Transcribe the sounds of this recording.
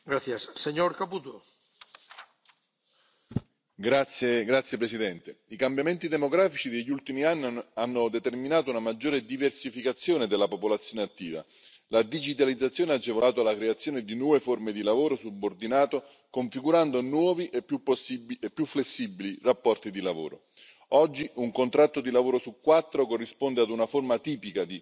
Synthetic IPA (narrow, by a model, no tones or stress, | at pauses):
ɡɾaθjasːeɲoɾkaput̪o | ɡɾat̪sjeɡɾat̪sjepɾesid̪ɛnt̪eikambjament̪id̪emoɡɾaːfit͡ʃid̪eʎːult̪imianːianːod̪et̪erminaːt̪̬ounamad͡ʒːoːɾed̪iversifikat̪sːjoːned̪elːapopolat̪sːjoːneat̪ːiːva̰ | lad̪id͡ʒit̪̬alid̪zːat̪sːjoːnead͡ʒːevolaːt̪̬oalakɾeat̪sːjoːned̪inwɔːveformed̪ilavoːɾosubːord̪inaːt̪o | koɱfiɡuɾand̪onwɔːviʔepːjupːosːibepːjufːlesːibilirapːɔrt̪id̪ilavo̰ːɾo̰ | ɔd͡ʒːiuŋkont̪ɾat̪ːod̪ilavoːɾosukːwat̪ːɾokorːispond̪ead̪unaformat̪iːpikad̪i